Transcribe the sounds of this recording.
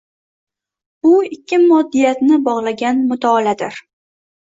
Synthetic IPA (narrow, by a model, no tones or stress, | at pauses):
ʊɪkʲʰːɪmɒd̪ːijat̪nɪbɒʁlˠaɡʲanmʊt̪ʰɒːlad̪ɪɾ